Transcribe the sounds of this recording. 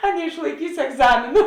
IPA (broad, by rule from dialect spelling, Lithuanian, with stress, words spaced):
ɐ nʲɛɪʃlˠɐɪˈkʲiːsʲɪ ɛɡˈzɑːmʲeːnʊ